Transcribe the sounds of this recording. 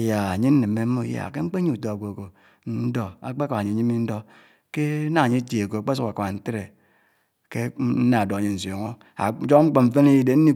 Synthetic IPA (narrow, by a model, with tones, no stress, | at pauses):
ja˨a˨ɲe˦n̩˦ne˨mː˦e˨˦m˦mo˦ja̰˨ke˦ŋ͡m̩˦k͡pe˦ɲi˦˨u˨to˨a˨ɡʷo˨ko˨ | n̩˦do˨a̰˨k͡pe˦ko˨a˨ɲe˨ɲi˦mi˦n̩˦do˦ | ke˦na˦a˨ɲi˦ti˨e˨ko˨a˨k͡pe˦s̬u˦a˨ka˨n̩˦te˦ɾe˨ | ke˦n̩˦na˨do˨a˨ɲe˨n̩˨so˨ŋo˦ | a̰˨˦d͡ʒo˦kŋ͡m̩˦k͡po˨ɱ̩˦fe˦ne˦ji˦de˨˦n̩˦ni˦